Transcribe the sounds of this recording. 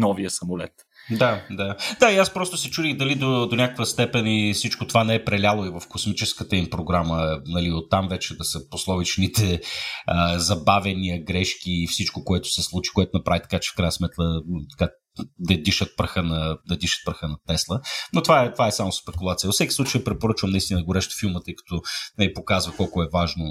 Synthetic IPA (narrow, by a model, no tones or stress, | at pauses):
nɔviəsɐmʊlɛt̪ | d̪ad̪ad̪aiaspɾɔst̪ʊsɛt͡ʃuɾʲiɣd̪ɐlid̪od̪onʲakəkvəst̪ɛpɛnifsit͡ʃkot̪ovanɛɛpɾɛlʲalˠoivɐfkosmit͡ʃɛskət̪əimpɾoɡɾamənɐliot̪ːamvɛt͡ʃɛd̪ɐsəposlˠɔvit͡ʃnit̪ɛəzɐbavɛniɐɡɾɛʃk̟iːfsit͡ʃkokoɛt̪ʊ̥sɛslˠut͡ʃi̥koɛt̪ʊnɐpɾavit̪ɐ̥kat͡ʃɛ̥fkɾajnəsmɛt̪lˠət̪ɐ̥ka | d̪ɐd̪iʃət̪̚pɾəxənɐd̪ɐd̪iʃə̥t̪̚pɾəxənɐt̪ɛslˠənot̪ovaɛt̪ovaɛsamʊspɛkulˠat̪sijəvəfsɛkʲisˠut͡ʃəjpɾɛpoɾɤt͡ʃvɐmnɐist̪ind̪əɡʊɾɛʃt̪filˠmət̪əjkɐ̥t̪ɔnɛlipokazvəkɔlˠkʊɛvaʒno